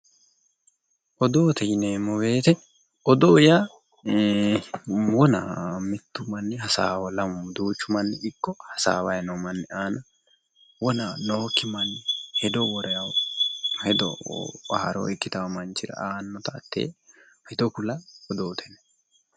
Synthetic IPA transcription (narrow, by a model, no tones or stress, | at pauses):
ʔɔd̪o̞ːt̪ʰɛjɪneːmɔwe̞ːt̪ɛ | ɔd̪oːja | wɔna̰mɪt̪ːʊmɐnːɛɦɐsa̰ːwɔlɐmːʊd̪uːt͡ʃːʊmɐnːɛɪkːɔhɐsa̰ːwɐjnɔmɐnːɛʔaːnɐ | wɔnaːnoːkːɪmɐnːhɛd̪ɔwɔɾɐjɐw | hɛd̪ɔ̰ahɾɔ̰ɪkːɪt̪ɐwmɐnt͡ʃːɪɾɐ̰ʔaːnːɔt̪ɐːt̪ːḛː | hɛd̪ɔkʊlɐɔd̪oːt̪ʰɛnɛ